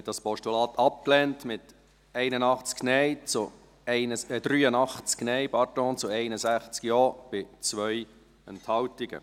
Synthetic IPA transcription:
ɛt̚d̥ɑspɔʃtulɑːt̪ʰɑp̚klɛntmɪt | ɛɪnənɑχt͡sknɛɪt͡sʊ | ɛɪnəd̥ɾyːənɑχt͡sknɛɪpɑtɔ̃ːnt͡sʊɛɪnəsæχt͡skjɔːb̥ɪt͡sʋœʏ | ɛnthɑwtɪɡə̰

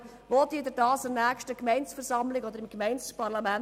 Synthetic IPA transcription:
voːt̪iəd̪ɛdɑːsɛɾnæːkʃtəkmɛɪnsfɛɾsɑmlɪɡɔd̪əɾɪmkmɛɪnspɑɾlɑmæn

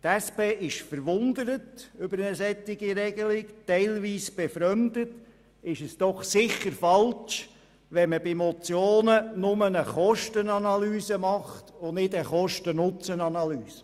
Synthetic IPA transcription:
tæspeːʔɪʃfəɾʋʊnd̪əɾətʏbəɾnəsɛtːɪɡiɾɛɡ̥əlɪktɛɪlʋiːsb̥ɛfɾœmd̪ət | ɪʃəsd̥ɔχsɪχəɾfɑlt͡ʃ | ʋɛnməbɪmɔt͡sjoːnənʊmənəχɔʃtənɑnɑlyːsəmɑχtʊnɪdəχɔʃtənʊt͡sənɑnɑlyːsə

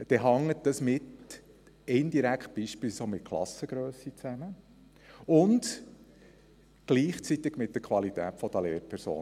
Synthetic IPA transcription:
d̥ɛɦɑŋːət̚d̥əsmɪt | ɛnd̥̪iɾækχt̪̚b̥iːʃpilsomɪt̚kʰlˠɑ̰səɡ̥ɾøːsit͡sæmə | ʊnd̪ | ɡ̥liːχt͡sit̪ɪɡmɪt̚d̥̪əɾkʰʋɑlitɛ̰ːtfɔd̥̪əleːɾpʰɛɾso̰ːn

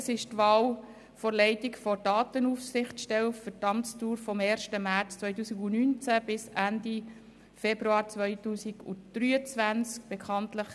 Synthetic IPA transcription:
əsɪʃtʋɑːl | fɔɾlɛɪtɪkfɔd̥ɑːtənufsɪχtʃtɛwfətɑmstuːɾfɔmɛːɾʃtəmæɾt͡st͡sʋœʏt̬uːsiɡʊnynt͡sæb̥ɪsændi | fɛbɾuɑːɾt͡sʋœʏtuːsiɡʊ̰d̥ɾyːət͡sʋænt͡sk̚b̥ɛkʰɑntləχ

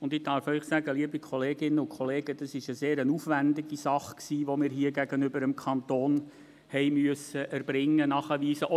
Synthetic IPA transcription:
ʊndɪdɑɾfœʏχsæɡəliəbikʰχɔleːɡɪnːəʊnkχɔleːɡəd̥ɑsɪʃəseːɾənufʋændɪɡisɑχksiːʋɔmɪːɾɦiːəɡæɡənʏbəɾəmkʰɑnt̪oːn | hɛɪmyəsəʔæɾb̥ɾɪŋːənɑχəʋiːsəʔɔ

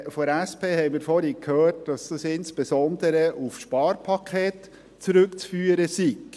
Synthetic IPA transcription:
fɔɾæspʰeːhɛɪmiːɾfɔɾikʰhøːt̚d̥ɑsd̥ɑsɪnsb̥esɔnd̪əɾəʔufʃpɑːrpʰɑkʰχeːt | t͡sɾɵkt͡sfyːəɾəsiɡ

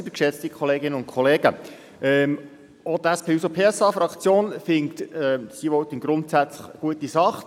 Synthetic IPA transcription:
ibəkʃɛt͡st̪ikʰχɔleːɡɪnənʊ̃ntkʰɔleːɡ̥ə | ʔɛm | odæspʰeːusopʰeːɛsɑːfɾɑkt͡sjoːnfɪŋt̪ɛsiʋɔwt̪ənɡ̥ɾʊntsæt͡slə̥χəɡ̥uətisɑχ

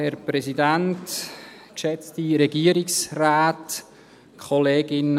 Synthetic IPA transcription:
hɛɾpɾɛsidænt | kʃɛt͡stiɾɛɡiːəɾɪksraːt | kʰχɔleːɡɪn

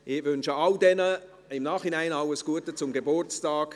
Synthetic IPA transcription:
ʔɪʋʏnʃəaldɛnə | ɪmnaːχinaɪnaʊwəsɡ̥uətət͡sʊmɡebʊrt͡staːɡ̥

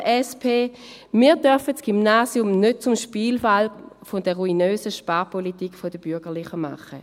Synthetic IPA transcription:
ʔɛspʰeː | miːɐdœɐfətsɡ̥ymnaːsjʊmnøt̚t͡sumʃpiːlfalfodɛɐʁuinøːsəʃpaːpolitikfodəb̥yɐɡ̥əɐlɪχəma̰χə

